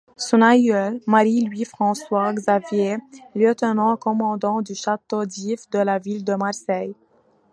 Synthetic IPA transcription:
sɔ̃najœlmaʁilɥifχɑ̃swaɡzavjeljət̪ənɑ̃kɔmɑ̃d̪ɑ̃d̪yʃat̪od̪ifd̪əlavild̪əmaʁsɛj

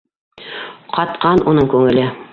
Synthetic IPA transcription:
qʰɑt̪qɑnʔunɤɴkʉŋɘ̆lɘ

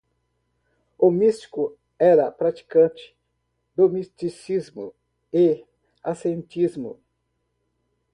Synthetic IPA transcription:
ʊmist͡ʃi̥kʊ | ɛɾɐpɾat͡ʃi̥kɐ̃t͡ʃɪ̥ | d̪omist̪isizmʊ̰ | e | a̰sẽnt͡ʃizmʊ̰

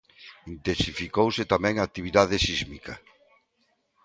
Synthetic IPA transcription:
int̪ensifikowset̪amɛ̃ŋak̚t̪iβ̞iðað̞esizmikɐ

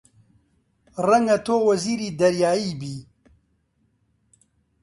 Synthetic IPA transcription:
rɐŋɡɐt̪ʰoːwɐziːɾiːd̪ɐɾjaːiːbiː

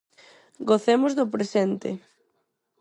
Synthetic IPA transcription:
ɡoθemʊzðʊpɾesent̪ɪ̰

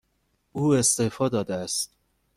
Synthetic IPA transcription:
uːe̞st̪efɒːd̪ɒːd̪eæst̪

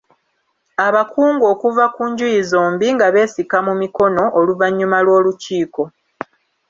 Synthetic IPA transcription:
aβakuːŋɡo̞ːkuvakuːɲɟujizoːmbiŋɡaβe̞ːsikamumiko̞no̞ʔːluvaɲːumalwo̞ːluciːko̞

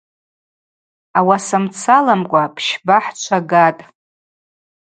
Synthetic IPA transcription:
awasɨmt͡sʰalamkʷʼapʰʃbaħt͡ʃʷʰaɡatʼ

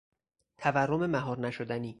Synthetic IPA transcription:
t̪ʰæværːome̞mæɦɒːɾnæʃod̪æniː

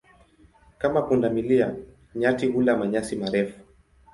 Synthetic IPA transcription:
kamapundamilia | ɲatihulamaɲasimaɾɛfu̥

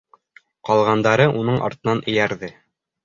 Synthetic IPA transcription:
qɒlˠʁɑnd̪ɑɾɤʔunɤɴʔɒ̰ɾt̪ɤ̆nɑnʔɘ̆jæɾðɘ

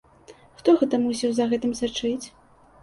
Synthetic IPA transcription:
xt̪ɔɣɛt̪ɐmus̬ʲiwzɐɣɛt̪ɨmsat͡ʂɨt͡sʲ

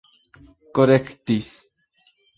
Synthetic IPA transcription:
koɾekt̪is

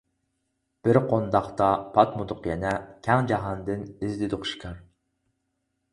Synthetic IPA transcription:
b̥ɪɾqʰond̪ɑχt̪ɑpʰɑt̪mʊd̪ʊqjɛnɛkʲʰæŋd͡ʒɑɦɑnd̪ɨnɪzd̪ɪd̪oqʃi̥kʲʰɑɾ

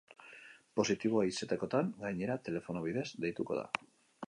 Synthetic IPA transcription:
po̞sit̪iβ̞o̞aise̞t̪eko̞t̪aŋɡajɲe̞ɾat̪e̞le̞fo̞noβiðe̞zd̪e̞jt̪uko̞̰ð̞a̰

